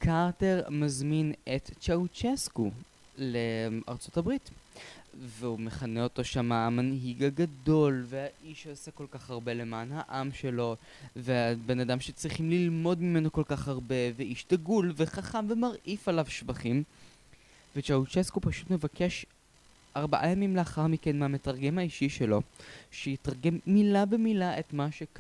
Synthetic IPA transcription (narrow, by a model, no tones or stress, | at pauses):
kʰaʁte̞ʁmazminett͡ʃaut͡ʃesku | lea̰ʁt͡so̞tabʁit | veume̞χaneo̞to̞ʃamaːmanɦiɡaɡado̞lvehaʔiʃosako̞lkaχaʁbe̞le̞maːnhaʔamʃe̞lo̞ | veabe̞nadamʃet͡sʁiχimlilmo̞dmime̞no̞ko̞lkaχhaʁbe̞veʔiʃtaɡulve̞χaχamvemaʁʔifalavʃvaχim | vet͡ʃaut͡ʃeskopaʃutme̞vake̞ʃ | aʁbaʔajamimleaχaʁmike̞nmehame̞taʁɡe̞mhaiʃiʃeloʃejitʁaʁɡe̞mːilabemilaʔetmaʃeka